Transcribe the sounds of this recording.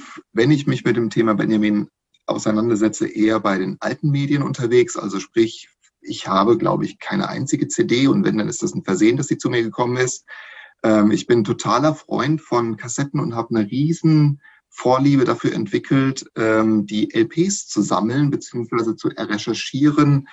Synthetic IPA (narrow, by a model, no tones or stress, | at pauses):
vɛnɪçmɪçmɪt̚d̥eːmtʰeːmabɛ̰njamiːn | ʔa̰ʊsaɪnandɐzɛt͡sə̰ʔeːɐbaɪɾeːnʔa̰ltn̩meːdjənʔʊ̰ntɐveːksʔa̰lzoʃpʁ̥ɪç | ʔɪçhaːbəɡla̰ʊbəɪçkʰaɪnə̰ʔa̰ɪnt͡sɪɡət͡seːdeːʊntv̥ɛ̰ndanɪstd̥asn̩fɛɐzeːəndasd̥iːt͡suːmiːɐɡəkʰɔmənɪst̚ʔɛːmɪçb̥ɪntʰotʰaːlɐfʁ̥ɔ̰ʏntfɔnkʰasɛtn̩ʊntɦaːbənəʁiːzn̩ | foːɐliːbədafyːɐʔɛ̰ntv̥ɪkʰl̩tʔɛːmdiːʔɛlpʰeːst͡suza̰ml̩nbət͡siːʊŋsv̥aɪzət͡suʔɛ̰ɐʁɛʃɛɐʃiːʁən